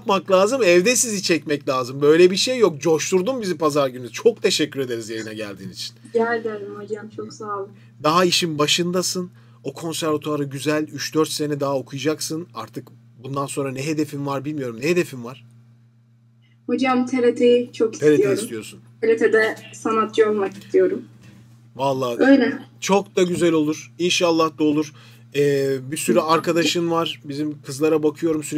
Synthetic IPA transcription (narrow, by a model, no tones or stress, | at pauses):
japmaklˠʲaːzɯmɛvd̪ɛsizit͡ʃʰɛcmɛclʲaːzɯmbø̞jlʲɛbiʃe̞jːo̞k̚d͡ʒo̞ʃt̪uɾd̪umbizipʰazaɾɟynyzt͡ʃʰo̞k̚t̪ʰe̞ʃɛcʰːyɾe̞d̪e̞ɾizjajɯnaɟæ̰lʲd̪iːnit͡ʃʰi̥nɟælʲd̪ɛd̪imhod͡ʒamt͡ʃʰoksaːlˠɯk | d̪aɦaiʃinbaʃɯnd̪asɯn | o̞kʰo̞nsæɾvat̪ʰoaɾɯɟyzælʲyt͡ʃd̪øɾt̪se̞nɛd̪aɦao̞kʰujad͡ʒaksɯnaɾt̪ʰɯk | bund̪anso̞nɾanɛɦe̞d̪e̞finvaɾbilʲmijo̞ɾumnɛɦed̪e̞finvaɾ̥ | ho̞d͡ʒamt̪ʰelʲet̪ʰejit͡ʃʰo̞ki̥elʲeijeisst̪ijo̞ɾsunt̪ʰelet̪ʰɛd̪ɛsanat̪̚d͡ʒonˠmaki̥st̪ʰijo̞ɾum | valˠːaːøjlʲɛt͡ʃʰo̞kd̪aɟyzælʲo̞lˠuɾ̥inʃalˠːahd̪olˠuɾ̥ | ɛːbisyɾyaɾkad̪aʃɯnvaɾ̥bizimkʰɯzlˠaɾabakʰɯjo̞ɾumsyɾ